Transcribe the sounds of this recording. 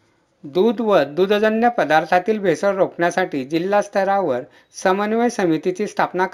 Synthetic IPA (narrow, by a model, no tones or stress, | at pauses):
d̪ud̪ʋəd̪ud̪ʱd͡zənjəpəd̪aɾt̪ʰat̪iːlbʱesəɾɾokɳjasaʈiːd͡ʑilːast̪ʰəɾaʋəɾ | səmənʋəjsəmit̪it͡ɕiːst̪ʰapnak